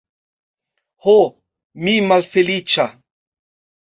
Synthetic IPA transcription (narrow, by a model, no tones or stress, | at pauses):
ho | mimalfelit͡ʃa